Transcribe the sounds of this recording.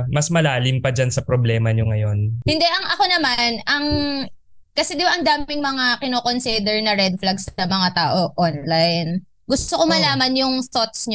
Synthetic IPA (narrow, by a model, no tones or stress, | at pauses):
mɐsmɐlaːlɪmpɐd͡ʒansɐpɾoblɛːmɐɲoŋɐjo̞nhɪnd̪ɛʔɐŋʔɐko̞nɐmanɐŋ | kɐsɛd̪ɪbaʔɐŋd̪aːmɪŋmɐŋakɪnoːko̞nsid̪ɛɹnɐɾɛd̪̚flɐɡsɐmɐŋat̪aːʔo̞ʔonlajn | ɡʊst̪okomɐlaːmɐnjʊŋsot̪̚sɲ